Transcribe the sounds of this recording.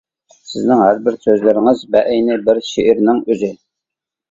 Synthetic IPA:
sɪznɪŋɦæɾbɪɾsøzlɪɾɪŋɪzbɛʔɛjnɪbɪɾʃeʔɪɾnɪŋøzɪ

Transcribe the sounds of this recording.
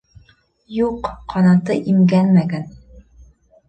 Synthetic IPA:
juqːɒnɑt̪ɤʔimɡænmæɡæn

